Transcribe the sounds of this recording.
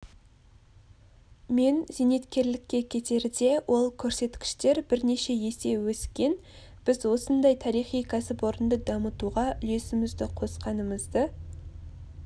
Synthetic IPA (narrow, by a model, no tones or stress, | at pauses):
me̞nzene̞t̪kʲe̞ɾlɪkʲːe̞kʲʰe̞t̪e̞ɾd̪e̞wʔo̞lˠkʲʰɵɾse̞t̪kʲɪ̥ʃt̪e̞ɾbɪɾne̞ʃe̞je̞se̞wɵskʲe̞n | b̥ɪzwo̞sənd̪ɑjt̪ʰɑɾijχijkʲʰɑsɪpwo̞ɾənd̪əd̪ɑmət̪uʁɑʔʏle̞sɪmɪzd̪ɪqʰo̞sqɑnəməzd̪ə